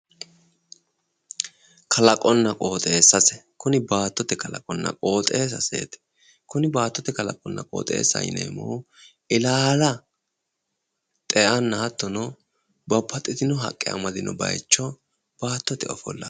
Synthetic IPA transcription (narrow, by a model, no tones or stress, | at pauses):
kʰɐlɐkʼɔnːɐkʼoːt̪ʼe̞ːsːɐsɛkʊnɪbaːt̪ːɔt̪ɛkɐlɐ̰kʼɔnːɐ̰kʼo̞ːt̪ʼeːsɐsḛːt̪ɛ̥ | kʊnɪbaːt̪ːɔt̪ɛkɐlɐ̰kʼɔnːɐ̰kʼo̰ːt̪ʼe̞̰ːsɐ̰jnḛːmo̰ː | ʔɪlaːlɐ | t̪ʼɛʔɐnːɐhɐt̪ːɔnɔ | bɐpːɐt̪ʼɪt̪ɪnɔɦɐ̰kʼːɪɐ̰mɐd̪ɪnɔbɐ̰jt͡ʃːɔ | b̥aːt̪ːɔt̪ɛɔfɔ̰lːɐ̰